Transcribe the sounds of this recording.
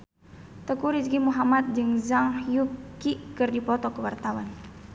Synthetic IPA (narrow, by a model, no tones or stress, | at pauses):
t̪əkuɾisɡimuɦamat̪̚d͡ʒɨŋzaŋhjukikɨrdipɔt̪ɔkəwart̪awan